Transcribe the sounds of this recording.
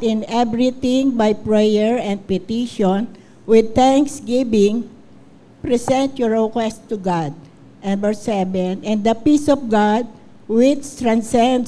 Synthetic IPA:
t̪ɪ̃nɛbɾit̪ĩŋbajpɹɛjɛɹɛ̃nd̪̚pɪt̪iʃɔ̃n | wɪd̪̚t̪ãŋksɡibɪ̃ŋ | pɾɛsɛ̃nt̪jɔɹokwɛst̪uɡad̪̚ | ɛ̃nbɛɹsɛvɛ̃nɛ̃nd̪ɐpisɔfɡad̪̚ | wɪt͡ʃt̪ɾãnsɛ̃nd̪

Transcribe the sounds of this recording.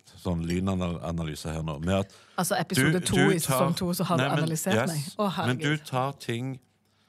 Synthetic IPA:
sɔnːlyːnɑnɑ̰nɑly̰ːsəhæːʁno̰ːmɛɑt̪ | ɑlsɔɛpɪsuːd̪ət̪ʰuːisɛsɔŋt̪ʰuːsɔhɑɾd̪ɑɑlɪseːɾtmɛɪɔhæmɛnʉt̪ʰɑːʁt̪ʰɪŋ

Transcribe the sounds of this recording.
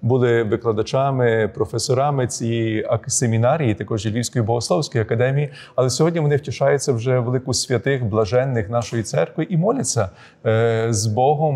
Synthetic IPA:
bulˠɪʋɪklˠɐd̪ɐt͡ʃɑmɪpɾɔfesɔɾɑmɪt͡sʲijijɐsʲemʲinɑɾʲijit̪ɐkɔʒjilʲiwsʲkɔjibɔɦɔslˠɔwsʲkɔjɐkɐd̪ɛmʲiji | ɐlˠɛsʲɔɦɔdʲnʲiʋɔnɪwtʲiʃɑjʊt͡sʲːɐwʒɛʋelˠɪkʊsʲʋʲɐt̪ɪxblˠɐʒɛnːɪxnɑʃɔjit̪sɛrkʋɪʔimɔlʲɐt͡sʲːɐ | zbɔɦɔm

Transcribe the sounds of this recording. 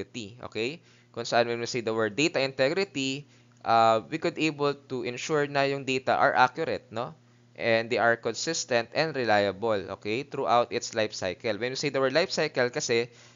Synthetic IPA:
ɪt̪iʔo̰kɛj | kʊŋsɐʔanwɛnmɪsejd̪ɐwɛɹd̪̚ːejt̪ɐʔɪ̃nt̪ɛɡɾɪt̪i | ʔawikʊd̪ʔejbɛlt̪uʔɪ̃nʃuɹnɐjʊŋd̪ejt̪ɐ̰ʔɐ̰ɹʔa̰kjʊɾɛt̪̚no | ʔɛ̃nd̪ːejʔɐɹkɔnsɪst̪ɛ̃nt̪ɛ̃nd̪ɾɛlajɐbolʔo̰kɛjt̪ɾuʔawt̪ɪt̪slajfsa̰jkɛlwɛ̃nmɪsejd̪ɐwɛɹd̪lajfsajkɛlkɐsɛ

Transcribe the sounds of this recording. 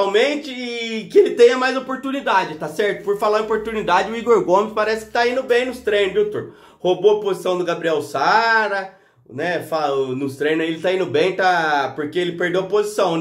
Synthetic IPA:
awmẽt͡ʃɪɪkɪelɪt̪ẽj̃ɐmajzopoɾt̪unid̪ad͡ʒɪt̪asɛɾt̪ʊpoɾfalaɾopoɾt̪unid̪ad͡ʒɪʊiɡoɾɡõmɪspaɾɛsɪ̥kɪ̥t̪aĩnʊbẽj̃nʊst̪ɾẽj̃nʊd̪ot̪oɾ | hoboɐpozisɐ̃w̃d̪ʊɡabɾiɛwsaɾɐ | nɛfanʊst̪ɾẽj̃nɐelɪt̪aĩnʊbẽj̃t̪apoɾkeelɪpeɾd̪ewɐpozisɐ̃w̃n

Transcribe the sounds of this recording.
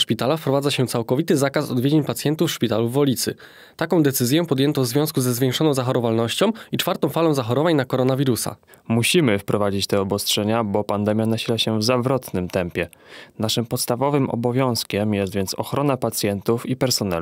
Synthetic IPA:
ʂpʲit̪alafpɾɔvad̪aɕɛt̪sawkɔvʲit̪ɘzakasɔd̪vʲjed͡ʑeɲpat̪sjɛnt̪ufʂpʲit̪aluvːɔlʲit̪sɘ̰ | t̪akɔ̃w̃d̪ɛt̪sɘzʲjɛ̃pɔd̪jɛnt̪ɔ̃vzvʲjɔ̃skuzɛzvʲjẽŋkʂɔnɔ̃w̃zaxɔɾɔvalnɔɕt͡ɕɔ̃w̃it͡ʂfaɾt̪ɔ̃w̃falɔ̃w̃zaxɔɾɔvaɲnakɔɾɔnavʲiɾusa̰ | muɕimɘfpɾɔvad͡ʑit͡ɕt̪ɛɔbɔstʂɛɲabɔpand̪ɛmʲjanaɕilaɕɛvzavɾɔt̪nɘmt̪ɛmpʲjɛ | naʂɘmpɔt̪st̪avɔvɘmʔɔ̰bɔvʲjɔ̃w̃skʲɛmjɛst̪vʲjɛnt̪sɔxɾɔnapat̪sʲjɛnt̪ufipɛɾsɔnɛ̰

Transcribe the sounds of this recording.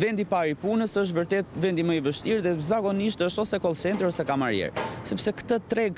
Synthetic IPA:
vɛnd̪ipaɾipunəsəʃ̬t̪vəɾt̪ɛt̪vɛnd̪iməivəʃt̪iɾðɛzaɡɔniʃt̪əʃɔsɛkɔlˠsɛnt̪ɾiɔsɛkamaɾjɛ̰ɾsɛpsɛkt̪ət̪ɾɛɡ

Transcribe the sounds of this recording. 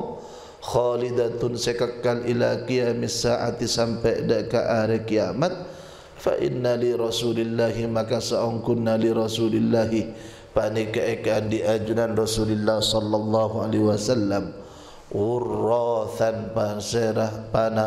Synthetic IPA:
xɑːlid̪at̪ʊnsakəkːanʔilakijamisaʔa̰t̪isampɛdaʔkaʔaɾɛkija̰mat̪̚ | fa̰ʔɪ̰nːaliɾɑsulɪlːaɦimakasaʔɔŋkʊnːaliɾɑsulɪlːaɦi | panikaʔekaʔandiʔad͡ʒunanrɑsulɪlːahsɔlːɑlˤːɑɦualeɦwasalːam | wʊrːɔθanpaseɾapana

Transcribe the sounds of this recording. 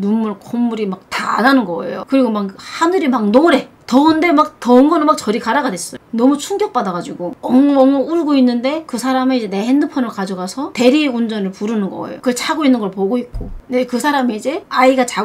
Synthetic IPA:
numːuɭkomːuɾimak̚ta̰ːnanɯnɡʌḛjo̰kɯɾiɡomakhanɯɾimak̚noɾe̞tʌɯnde̞mak̚tʌɯnɡʌnɯmak̚t͡ɕʌɾikaɾaɡadwes͈ʌjonʌmut͡ɕʰuŋɡjʌk̚p͈adaɡad͡ʑiɡoʌŋʌŋʌuɭɡoinːɯnde̞kɯsʰaɾameid͡ʑe̞ne̞he̞ndɯpʰʌnɯɭkad͡ʑʌɡasʰʌte̞ɾiund͡ʑʌnɯɭpuɾɯnɯnɡʌ̰ḛjo̰kɯt͡ɕʰaɡoinːɯnɡʌɭpoɡoik̚k͈onekɯsʰaɾamiid͡ʑe̞aiɡat͡ɕa

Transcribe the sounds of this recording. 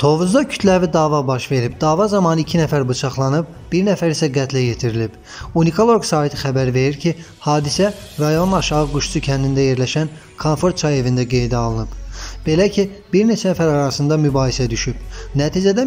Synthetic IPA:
t̪ʰo̞vuzd̪ɑcʰy̥t̪ʰlævid̪ɑːvɑbɑʃve̞ɾib̚d̪ɑːvɑzɑmɑnicʰinæfæɾbut͡ʃʰɑχlˠɑnɯb̚ | b̥iɾnæfæɾisæɡæt̪ʰlæjet̪ʰiɾilib̥ | unikʰo̞lˠo̞ɾɡsɑːhit̪ʰi̥xæbæɾve̞ɾiɾcʰi | hɑːd̪isæɾɑjo̞nɑʃɑɣɯɡuʃusucʰænd̪ind̪æje̞ɾlæʃæn | kʰonfo̞ɾt̪̚t͡ʃʰɑje̞vind̪æɡe̞jd̪iɑlˠɯnɯbb̥e̞læcʰi | b̥iɾne̞t͡ʃʰænæfæɾɑɾɑsɯnd̪ɑmybɑːjisæd̪yʃyb̥næt̪ʰid͡ʒæd̪æ

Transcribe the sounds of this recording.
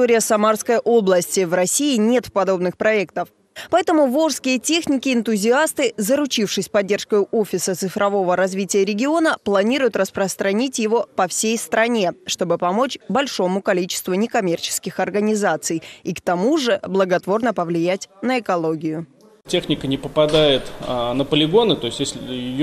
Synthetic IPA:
oɾʲɪjəsɐmarskəjʔo̞blˠəsʲtʲɪvrɐsʲiɪnʲe̞t̪fpɐd̪o̞bnɨxpɾɐɛkt̪əf | pɐɛt̪əmʊvoʐskʲɪjətʲexnʲɪkʲɪɪnt̪ʊzʲɪast̪ɨzəɾʊt͡ɕifʂɨsʲpɐdʲːe̞rʂkəjʊʔo̞fʲɪsət̪sɨfɾʔɐvo̞vəɾɐzvʲitʲɪjəɾʲɪɡʲɪo̞nəplˠɐnʲiɾʊjʊt̪rəspɾəst̪ɾɐnʲitʲjɪvo̞pɐfsʲejst̪ɾɐnʲe̞ʂt̪o̞bɨpɐmo̞t͡ɕbɐlʲʂo̞mʊkɐlʲit͡ɕɪ̥st̪vʊnʲɪkɐmʲe̞rt͡ɕɪ̥skʲɪxɐrɡənʲɪzat̪sɨjikt̪ɐmuʐɨblˠəɡɐt̪vo̞rnəpəvlʲɪjætʲnəɪkɐlˠoɡʲɪjʊ | tʲe̞xnʲɪkənʲɪpəpɐd̪ajɪt̪nəpəlʲɪɡo̞nɨt̪o̞ɪsʲtʲjesʲlʲɪjɪj

